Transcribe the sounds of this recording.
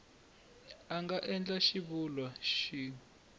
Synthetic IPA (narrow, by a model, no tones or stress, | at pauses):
aŋɡaʔɛnd͡ɮaʃiβulwaʃiː